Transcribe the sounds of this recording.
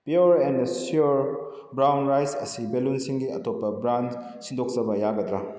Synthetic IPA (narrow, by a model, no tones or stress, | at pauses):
pjoɾɛndsoɾ | bɾawnɾajsɐsibelunsiŋɡiɐ̰topːɐbɾan | sindʱok̚sɐbɐjaɡɐdɾa